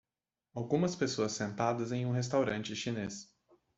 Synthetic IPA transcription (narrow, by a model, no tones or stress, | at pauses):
awɡũmɐspesoɐsːẽnt̪ad̪ɐzẽj̃ũɦes̬t̪awɾɐ̃nt͡ʃɪʃines